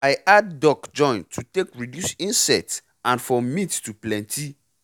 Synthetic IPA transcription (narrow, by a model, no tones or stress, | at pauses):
aɪʔadːɔkd͡ʒɔ̃ɪ̃ntʰutekɹidjusĩnsɛts | ãnfɔmĩttuplɛ̃ntʰi